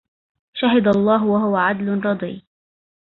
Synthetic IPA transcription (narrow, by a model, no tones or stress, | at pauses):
ʃaɦɪd̪alˤːɑːɦwaɦʊwaʕad̪lʊɾˤɑd̪ˤḭː